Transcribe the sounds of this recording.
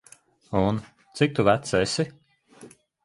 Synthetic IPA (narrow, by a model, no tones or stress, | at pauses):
un | t̪sik̚t̪uvæt̪sɛsi